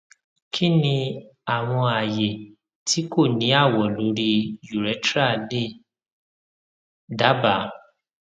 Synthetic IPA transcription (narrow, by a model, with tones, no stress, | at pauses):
kʰi˦nĩ˧a˨w̃ɔ̃˧a˨je˨ | tʰi˨˦ko˦˨nĩ˨˦a˦˨wɔ˨lo˨˦ɾi˧ju˨ɾɛ˨˦tɾa˦˨le˦˨ | da˨˦ba˨˦